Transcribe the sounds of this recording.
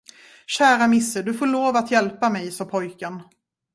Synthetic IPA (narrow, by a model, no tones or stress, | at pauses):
ɕæːɾamɪsːəɖ̪ɵfoːɭoːvat̪jɛlpamɛjsɔːpʰɔjkən